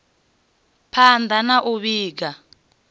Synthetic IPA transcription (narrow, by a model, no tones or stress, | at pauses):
pʰand̪ʱanaʔuɓiːk̬a